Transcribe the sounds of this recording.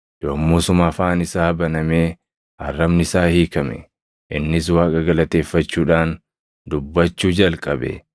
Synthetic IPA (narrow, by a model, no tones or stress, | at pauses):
joːmːusʊmɐfaːnɪsaːbɐnɐmeː | ɐ̰rːɐbnɪsaːhiːkɐmɛ̰ | ʔɪnːɪswaːkʼɐɡɐlɐt̪e̞ːfːɐt͡ʃːuːᶑaːn | d̪ʊbːɐt͡ʃːuːd͡ʒɐlkʼɐbɛ̰